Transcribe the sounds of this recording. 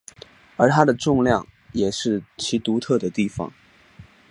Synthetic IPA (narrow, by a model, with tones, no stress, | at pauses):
ə˞˧˥t̪ʰa˥d̪ə˨ʈ͡ʂʊ˥˧ŋljɑ˥˩ŋ | jɛ˨˩ʂɻ̩˥˩t͡ɕʰi˧˥t̪u˧˥t̪ʰɤ˥˩d̪ə˩t̪i˥˩fɑ̰˨˩˦ŋ